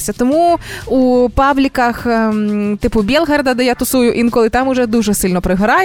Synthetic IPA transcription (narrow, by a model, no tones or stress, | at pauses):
sʲɐt̪ɔmuupawlʲikɐx | t̪ɨpʊbʲɛlˠɦɛrd̪ɐd̪ɛjat̪ʊsujʊʔinkɔlˠit̪amʊʐɛd̪uʐɛsɨlʲnɔpɾɪɦɾaj